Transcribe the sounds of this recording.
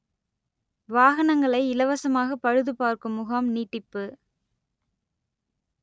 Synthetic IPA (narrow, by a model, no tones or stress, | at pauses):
ʋaːɣɐnɐŋɡɐɭɐɪɪlɐʋɐsɐmaːɣɐpɐɻɯðɯpaːɾkɯmʊɣaːmniːʈːɪpːɯ